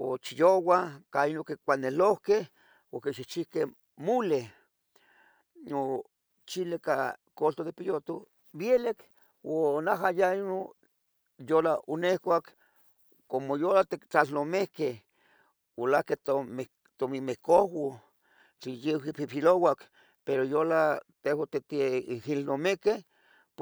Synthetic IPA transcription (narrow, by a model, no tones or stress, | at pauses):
ot͡ʃijowakainokekʷanelohkeh | okeʃit͡ʃihke | mule | no | t͡ʃilekakolt̪od̪epijot̪o | bjelek | onaɦajaino | jolaonehkʷak | komojolat̪ekt͡ɬalnomehke | wolahkeoe | t̪omimehkohwo | t͡ɬijewipipilowak | peɾojolat̪ewat̪et̪ihilnomekeh | p